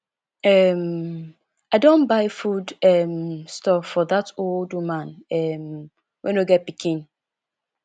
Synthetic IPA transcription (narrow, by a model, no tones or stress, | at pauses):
ɛm | aɪdõnbaɪfudɛmstɔfɔðatoldmãnɛm | wʔɛ̃nuɡɛt̚pikʰĩn